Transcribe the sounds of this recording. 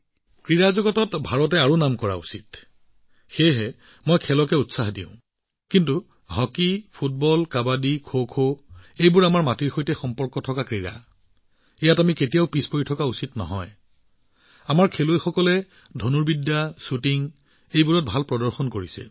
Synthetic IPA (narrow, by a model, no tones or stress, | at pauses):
kɹiɹazɔɡɔtɔtbʱaɹɔt̬ɛaɹunamkɔɹa̰ṵsit | xejɦɛ | mojkʰɛlɔkɛutsaɦdḭʊ̃ | kintu | ɦɔkipʰut̚bɔlkabadikʰokʰoejbʊɹamaɹmatiɹxojtɛxɔmpɔɹkɔtʰɔkakɹiɹa̰ | ɛjatamiketijaʊpispoɹitʰɔkausitnɔ̰ɦɔj | amaɹkʰelojxɔkɔlɛ | dʱonuɹbidːasutiŋ | ejbuɹɔt̚bʱalpɹɔdɔɹxɔnkoɹisɛ̰